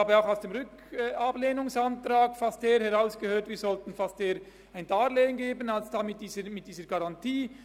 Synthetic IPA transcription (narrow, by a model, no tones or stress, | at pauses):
aːbəaʊxaʊsd̥eːmʁʏkː | ʔableːnʊŋsantɾaːɡfasteːəhɛʁaʊsɡ̥əhøːtv̥iːzɔltn̩fasteːəɾ | aɪndaːleːənɡeːbənalsd̥aːmɪt̚d̥iːzəmɪt̚d̥iːzəɡaʁɑntiː